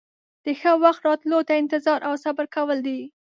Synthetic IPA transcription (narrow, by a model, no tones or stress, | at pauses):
d̪̥əxəwaxt̪ɾɑt̪lot̪aɪnt̪ɪzɑɾʔawsabaɾkawəld̪i